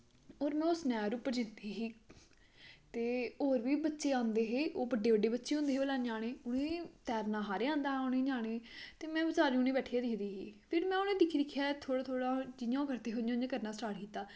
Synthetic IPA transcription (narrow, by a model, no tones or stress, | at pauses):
oːɾmɛ̃ːʊsnɛːɾʊpːɾd͡ʒɪnd̪iːɦiː | t̪eːoːɾʋiːbətːʃeːãːnd̪eːɦeːʔoːbəɖeːbəɖːeːbətːʃeːʊ̃nd̪eːbəlaːnd͡ʒaːɽ̃eːʊnẽːt̪ɛːɾnãːɦaːɾeːãːnd̪aːɦʊnẽːd͡ʒaːɽ̃eːt̪eːmɛ̃ːbɪzaːɾiːʊnẽːbɛːʈʰiːaːd̪ɪkʰd̪iːɦiːpʰɪɾmɛ̃ːʊnẽːd̪ɪkʰːd̪ɪkʰːjaːt̪ʰoːɽaːt̪ʰoːɽaːd͡ʒɪjãːɡʱəɾt̪eːɦoːd͡ʒ̃ːɲãːkəɾnaːsʈaːʈkiːt̪aː